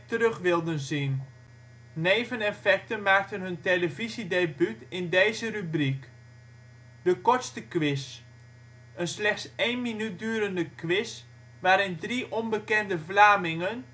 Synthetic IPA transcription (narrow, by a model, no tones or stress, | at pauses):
tərɵχʋɪlˠdənzin | neːvənɛfɛk̚tənmaːk̚tənɦɵnteləvizidebytɪndejzərybrik | d̥əkɔɹtstəkʋɪs | ənslɛxtsejnminyt̚dyːɾəndəkʋɪs | ʋaːɾɪndriʔɔnbəkɛndəvlaːmɪŋən